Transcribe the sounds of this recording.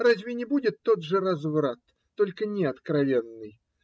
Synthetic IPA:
razʲvʲɪnʲɪbudʲɪt̪ːod̪ʐɨrazvɾat̪ːolʲkənʲɪɐt̪kɾavʲenːɨj

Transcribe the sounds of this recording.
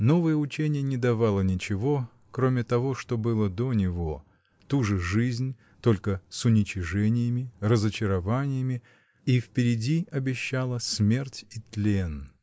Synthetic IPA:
no̞vəjəʊt͡ɕenʲɪjənʲɪd̪ɐvalˠənʲɪt͡ɕɪvo̞ | kɾomʲɪt̪ɐvo̞ʂt̪o̞bɨlˠəd̪o̞nʲɪvo̞ | t̪uʐɨʐɨzʲnʲ | t̪o̞lʲkəsʊnʲɪt͡ɕɪʐɛnʲɪjəmʲɪrəzət͡ɕɪɾɐvanʲɪjəmʲɪ | ifpʲɪɾʲɪdʲiɐbʲɪɕːalˠəsmʲe̞rtʲit̪lʲen

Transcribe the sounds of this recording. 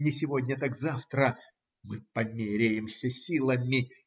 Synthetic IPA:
nʲɪsʲɪvo̞dʲnʲət̪akzaft̪ɾə | mɨpɐmʲeɾʲɪjɪmsʲəsʲilˠəmʲɪ

